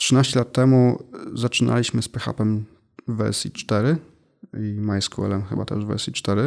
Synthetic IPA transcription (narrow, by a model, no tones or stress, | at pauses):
tʂɘnaɕt͡ɕɛlat̪ːɛmuzat͡ʂɘnʔa̰lʲiɕmɘspɛxa̰pɛmː | ɛɛsḭt͡ʂt̪ɛɾɘ | imajskuɛ̰lɛmxɘbat̪ɛ̰ʐvɛ̰ɛsʲit͡ʂt̪ɛɾɘ